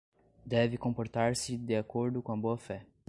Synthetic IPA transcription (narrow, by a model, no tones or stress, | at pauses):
d̪ɛvɪkõmpoɾt̪aɾsɪd̪ɪakoɾd̪ʊkõɐboɐfɛ